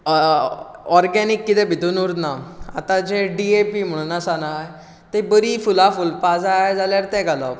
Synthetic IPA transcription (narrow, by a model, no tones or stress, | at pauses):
ɔɾɡɛnikːit̪ɛbʱit̪unuɾd̪naa̰t̪ãd͡ʑeɖiepim̤əɽ̃unasana | t̪ebəɾifulafulpad͡zad͡zaljaɾt̪ɛɡalap